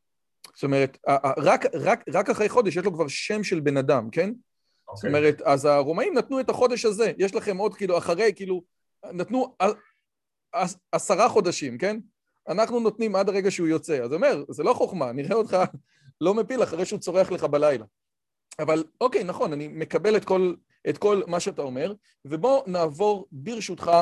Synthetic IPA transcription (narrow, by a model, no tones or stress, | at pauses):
zo̥t̪ome̞ʁe̞taʔʁakʁakʁakaχʁejχo̞deʃjeʃ̬lo̞kvaʁʃe̞mʃe̞lbe̞nadamke̞n | soto̞me̞ʁe̞tazaʁo̞maimnatnue̞taχo̞de̞ʃhaze̞jeʃlaχe̞mo̞dkiːluaχaʁe̞jkiːlu | natnua | aasaʁaχo̞daʃimke̞n | anaχnuno̞tnimadaʁe̞ɡaʃeujo̞t͡se̞azo̞me̞ʁzelo̞χo̞χmaniʁeod̪χa | lo̞mepilaχaʁe̞jʃeut͡so̞ʁeaχle̞χabalajla̰ | avaloke̞jnaχo̞nanime̞kabe̞le̞tko̞l | ʔetko̞lmaʃeatao̞me̞ʁ | ve̞bo̞naːvo̞ʁbiʁʃutχa